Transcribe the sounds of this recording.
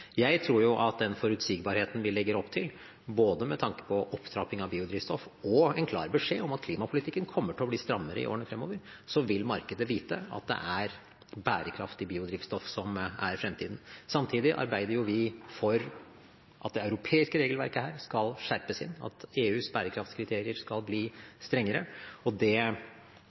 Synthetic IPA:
jæɪt̪ʰɾuːɾjʊʔɑt̪̚d̪ɛnfɔɾʉt̪siːɡ̚bɑːɾheːt̪n̩ʋɪlɛɡːəɾɔpt̪ʰɪl | boːd̪əmɛt̪ʰɑŋkə̥pʰɔʔɔpːt̪ʰɾɑpɪŋɑʋbiːʊd̪ɾiːt̪st̪ɔfɔɛnkʰlɑ̰ːɾbəʂeːɔmɑt̪kʰliːmɑpʰʊlɪt̪ʰɪkːənkʰɔmːəʈʰɛɔbliːst̪ɾɑmːəɾə̰ɪ̰o̰ːɾəɳəfɾɛmːoːʋəɾ | sɔʋɪlmɑɾkəd̪əʋiːt̪əɑ̰t̪̚d̪ɛ̰ʔæɾ | bæːɾəkʰɾɑft̪ɪbiːʊd̪ɾiːʋst̪ɔfsɔmæɾfɾɛmt̪ʰiːd̪n̩sɑmt̪ʰiːd̪ɪʔɑ̰ɾbæɪd̪əɾjʊʋɪfɔɾ | ʔɑt̪̚d̪ɛɑʉɾʊpʰeːɪskəɾeːɡəlʋæ̰ɾkəhæːɾskɑlʂæɾpəsɪ̰nːɑ̰t̪eːʉːsbæːɾəkʰɾɑft̪skʰɾɪt̪ʰeːɾɪəɾskɑlbliːst̪ɾɛŋːəɾəɔd̪ɛ

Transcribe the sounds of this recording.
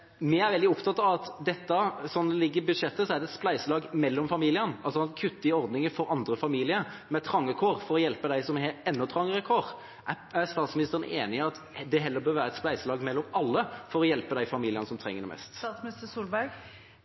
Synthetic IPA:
mɛæɾʋɛld̪ɪʊpt̪ʰɑt̪ːɑʋɑt̪d̪ɛt̪ːəsɔnːlɪɡːəɾbʉd̪ʂɛt̪ːəsɔæɾd̪ɛt̪splæɪsəlɑːɡmɛlːɔmfɑmiːlɪənɑlsɔɑnkʰʉt̪ːəɪɔɾd̪nɪŋəfɔɾɑnd̪ɾəfɑmiːlɪəmɛt̪ʰɾɑŋːəkʰoːʁfɔɾɔjɛlpəd̪æɪsɔmɛɛnːɔt̪ʰɾɑŋːəɾəkʰoɾ | ʔæ | æst̪ɑːt̪smɪnɪst̪əɾənʔeːnɪɑt̪ | d̪ɛɦɛlːəɾbøːɾʋæːɾəɛt̪splæɪsəlɑːɡmɛlːɔmɑlːəfɔɾɔjɛlpəd̪æɪfɑmiːlɪənəsɔmt̪ʰɾɛ̰ŋːəɾɖ̪ɛ̰mʔɛ̰st̪smnɪst̪əsuːlbæɾɡ

